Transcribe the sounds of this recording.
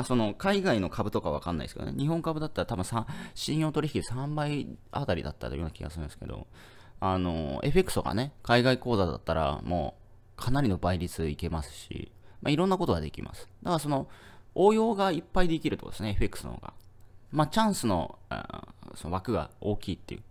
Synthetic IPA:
aso̞no̞kaiɡaino̞kʰabɯ̟t̪o̞kaβaβa̰kãnːa̰ḭd̪esɨkeo̰nḛɲ̟iɦõ̞ŋkabɯ̟d̪at̪ːaɾat̪abɯ̟̃sãɕĩɰ̃jo̞ːt̪oɾiçi̥kid̪esãmbaia̰t̪aɾʲḭd̪a̰t̪ːat̪ojonakʲiɡa̰sɨɾɯ̟̃nsɨ̥ke̞d̪o̞̰ | ano̞̰e̞ɸe̞kːɯ̟̥soɡa̰ne̞kaiɡaiko̞ːzad̪a̰t̪ːaɾa̰mo̰ː | kʰanaɾʲino̞baiɾʲit͡sɨike̞masɨ̥ɕḭmaiɾõ̞nːakot̪o̞ɡa̰d̪e̞kʲimʔa̰sɨ̥d̪akaso̞no̞oːjo̞ːɡaipːaid̪e̞kʲiɾɯ̟t̪o̰d̪e̞sɨneeɸe̞kːɯ̟̥sɨno̰o̰ɡa̰mat͡ɕãɰ̃sɨno̞̰ | sono̞βakɯ̟ɡa̰oːkʲiːt̪ːe̞̰jɯ̟ː

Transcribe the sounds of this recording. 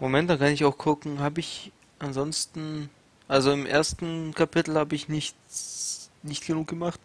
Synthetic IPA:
momɛntd̥aːkʰanɪçaʊxkʰʊkŋ̩haːbəɪç | ʔanzɔnstn̩ | ʔalzoɪmʔḛːɐstn̩kʰapʰɪtl̩haːbəɪçnɪç | nɪçtɡ̥ənuːk̚ɡ̥əmaχt

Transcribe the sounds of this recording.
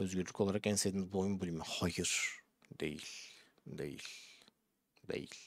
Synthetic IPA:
øzɡyɾlʲy̥kcʰo̞lˠaɾakɛnsed̪imizbuojunbulʲimɛhajɯɾ̥ | d̪e̞̰jil̥ʲ | d̪ḛjḭlʲ | d̪ḛjḭlʲ

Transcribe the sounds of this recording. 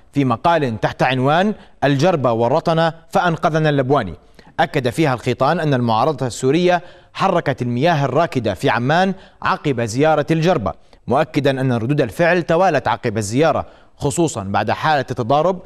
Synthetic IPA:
fiːmɑqɑːlɪnt̪aħt̪aʕɪnwaːnʔald͡ʒɑɾˤbawɑrˤːɑt̪ˤɑnafaʔanqɑðnalːabwaːnḭ | ʔakːad̪afiːhalxiːt̪ˤɑːnʔanːalmʊʕɑːɾˤɑd̪ˤɑsːuːɾɪjːa | ħɑrˤːɑkat̪almɪjaːɦarˤːɑːkɪd̪afiʕamːaːnʕɑqɪbazɪjɑːɾˤɑld͡ʒɑɾˤba̰ | mʊʔakːɪd̪anʔanːaɾˤʊd̪uːd̪alfɪʕlt̪awaːlat̪ʕɑ̰qɪbazːɪjɑːɾˤɑ̰ | xʊsˤuːsˤɑnba̰ʕd̪ħaːlat̪ːɑd̪ˤɑːɾˤʊb̚

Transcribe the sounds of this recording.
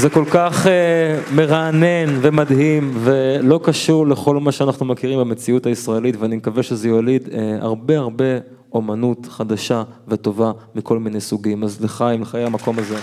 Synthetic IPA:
zeko̞lkaχeme̞ʁaːne̞nve̞mad̪himve̞lo̞kaʃuʁle̞χo̞lmaʃeanaχnumekiʁimbame̞t͡siutaisʁae̞litveanimekaveʃezejolid̪ea̰ʁbe̞aʁbe̞ | o̞manutχad̪aʃaveto̞vamikʰo̞lmine̞jsuɡimazliχaimleχajejamako̞maze̞

